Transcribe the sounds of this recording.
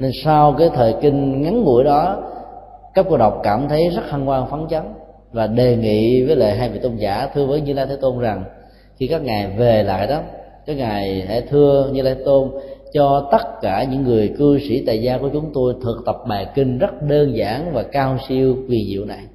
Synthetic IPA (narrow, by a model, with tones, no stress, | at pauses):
ne˧nsa˧wkaː˨˦jt̪ʰəː˨˩jkï˧ŋ̟ŋa˨˦ŋːṵ˧˩əjɗɔ˨˦ | kaː˦˥ko˧ɗə˨˩wk͡p̚kaː˧˩mt̪ʰə˨˦jzə˦˥t̚ha˧nkwaː˧ŋfa˨˦nt͡ɕa˨˦n | vaː˨˩ɗe˨˩ŋḭ˧˨vəː˨˦jlḛː˧˨˩jɦaː˧jvḭ˧˨˩t̪o˧nzaː˧˩˥t̪ʰɨ˧əvəː˨˦jɲɨ˧laː˧jt̪ʰe˨˦t̪o˧nza˨˩ŋ | xi˧kaː˦˥k̚ŋaː˨˩jve˨˩la̰ː˧˨jɗɔ˨˦ | kaː˨˦˥k̚ŋaː˨˩jha̰ː˧˥t̪ʰɨ˧əɲɨ˧laː˧jt̪ʰe˨˦˥t̪o˧nt͡ɕɔ˧t̪ə˦˥t̚kaː˧˩ɲɨ̰˧˥ŋːɨ˨˩əjkɨ˧sḭ˧˩t̪a̰ː˧˨jzaː˧ku˧˩ət͡ɕʊ˨˦ŋ͡mt̪o˧jt̪ʰɨ˨˩k̚t̪ə˨˩p̚ɓaː˨˩kï˧ŋ̟zə˦˥t̚ɗəː˧nzaː˧˩ŋvaː˨˩kaː˧wsi˧əwkwi˧˩zḭ˧˨əwna˨˩j